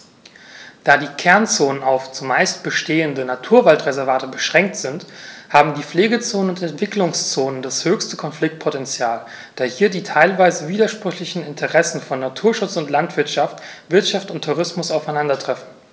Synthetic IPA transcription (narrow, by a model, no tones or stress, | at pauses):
d̥aːdiːkʰɛɐnt͡soːnənaʊft͡sumaɪst̚b̥əʃteːəndənatʰuːɐvaltʁezɛɐvaːtəbəʃʁ̥ɛŋk̚tz̥ɪnthaːbm̩diːfleːɡət͡soːnənʊntɛntv̥ɪklʊŋst͡soːnəndashøːçstəkʰɔnflɪk̚t̚pʰotɛnt͡sjaːl | d̥aːhiːɐdiːtʰaɪlvaɪzəviːdɐʃpʁ̥ʏçlɪçn̩ɪntʰəʁɛsn̩fɔnːatʰuːɐʃʊt͡sʊntlantv̥ɪɐtʃaftv̥ɪɐtʃaftʊntʰːuʁ̞ɪsmʊsaʊfaɪnandɐtʁ̥ɛfn̩